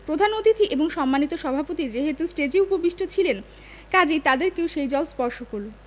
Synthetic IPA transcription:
pɾod̪ʱanot̪it̪ʰiʔeboŋʃɔmːanit̪oʃɔbʱapot̪id͡ʑeɦet̪usʈed͡ʑiupobiʃʈʰot͡ɕʰilen | kad͡ʑejt̪ad̪eɾkewʃejd͡ʑɔlspɔɾʃokoɾo

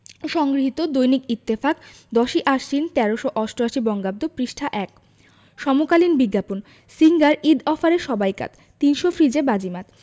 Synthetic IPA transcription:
ʃɔŋɡɾiɦit̪od̪ojnikit̪ːefak | d̪ɔʃiʔaʃint̪ɛɾoʃoʔɔsʈoaʃibɔŋɡab̚d̪opɾiʃʈʰaʔɛk | ʃɔmokalinbiɡːapon | siŋɡaɾid̪ɔfaɾeʃɔbajka̰t̪ | t̪ːinʃofɾid͡ʑebad͡ʑimat̪

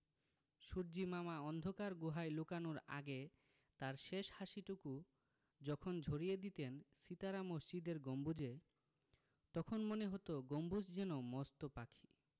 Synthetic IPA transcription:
ʃuɾd͡ʑimamaɔnd̪ʱokaɾɡuɦajlukanuɾa̰ɡe | t̪aɾʃeʃhaʃiʈuku | d͡ʑɔkʰond͡ʑʱoɾijed̪it̪ensit̪aɾamoʃd͡ʑid̪eɾɡombud͡ʑe | t̪ɔkʰonmoneɦot̪oɡombud͡ʑd͡ʑɛnomɔst̪opakʰi̥

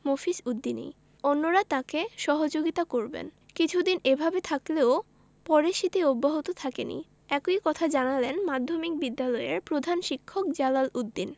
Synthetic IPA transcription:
mofiʃud̪ːinḭ | onːoɾat̪akeʃɔɦod͡ʑoɡit̪akoɾbḛn | kit͡ɕʰud̪inebʱabet̪ʰakleo | pɔɾeʃit̪eobːaɦot̪ot̪ʰakenḭ | ɛkoikɔt̪ʰad͡ʑanalenmad̪ʱːomik̚bid̪ːalɔeɾpɾod̪ʱanʃikʰːok̚d͡ʑalalud̪ːin

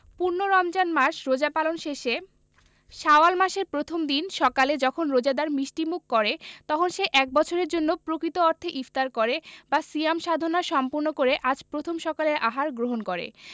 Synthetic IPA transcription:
puɾnoɾɔmd͡ʑanmaɾʃɾod͡ʑapalonʃeʃe | ʃaoalmaʃeɾpɾot̪ʰomd̪inʃɔkaled͡ʑɔkʰonɾod͡ʑad̪aɾmɾiʃʈimukːɔɾet̪ɔkʰonʃeʔɛk̚bɔt͡ɕʰoɾeɾd͡ʑonːopɾokɾit̪oɔɾt̪ʰeʔift̪aɾkoɾebasiamʃad̪ʱonaʃɔmpuɾnokoɾeʔad͡ʑpɾot̪ʰomʃɔkaleɾʔaɦaɾɡɾoɦonkoɾḛ

